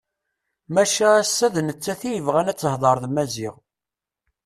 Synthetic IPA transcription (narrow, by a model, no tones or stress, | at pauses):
mæʃæːsːæðnət͡sːæθijəvʁænæt͡sːəhðˤɑɾˤðmæziʁ